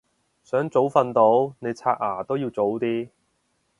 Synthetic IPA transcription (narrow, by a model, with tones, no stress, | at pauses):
sœː˨˥ŋt͡so˨˥wfɐ˧nt̪o˨˥wne˨˧jt͡sʰaː˧ʔ̚aː˨˩t̪o˥wjiː˧wt͡so˨˥wt̪iː˥